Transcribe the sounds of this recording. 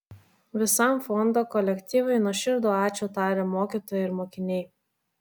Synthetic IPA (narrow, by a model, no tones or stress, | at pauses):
ʋʲɪsɐˑmfɔnd̪oːkɔlʲɛkʲt̪ʲiːʋɐɪnuɔʃʲɪɾd̪oːɑːt͡ʃʲuːt̪ɑːɾʲɛmoːkʲit̪oːjɪɾmoːkʲɪnʲɛɪ